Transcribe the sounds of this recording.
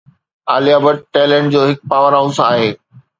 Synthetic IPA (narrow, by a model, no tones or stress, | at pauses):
aːliaːbəʈ̚ʈɛːlə̃ɳʈ̚d͡ʑoːɦɪk̚paːʋəɾɦaʊsaːɦeː